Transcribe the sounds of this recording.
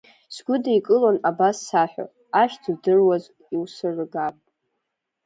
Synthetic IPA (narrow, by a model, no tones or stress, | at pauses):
sɡʷʊdaikʼɨlanabasːaħʷᶣa̰ | aʃt͡sʰɨdɨrwaz | iwsɨrɨɡapʼ